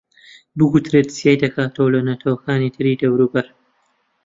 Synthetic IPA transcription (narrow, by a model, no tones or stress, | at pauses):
bɨkut̪ɾeːt̪sjajd̪ɐkʰaːt̪ʰowlɐnɐt̪ʰɐwɐkaːnit̪ʰɨɾiːd̪ɐwɾuːbɐɾ